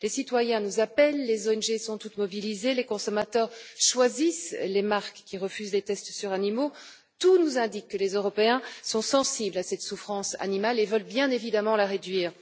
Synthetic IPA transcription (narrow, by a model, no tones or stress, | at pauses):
lesit̪wajɛ̃nuzapɛlːezoɛnʒesɔ̃t̪ut̪mɔbilizelekɔ̃sɔmat̪œːʁʃwazislemaʁkːʲiʁəfyzlet̪ɛst̪syʁanimo | t̪unuzɛ̃d̪ikːəlezøʁɔpeɛ̃sɔ̃sɑ̃siblasɛt̪sufχɑ̃sa̰nimalevəlbjɛ̃nevid̪amɑ̃laʁed̪ɥiːʁ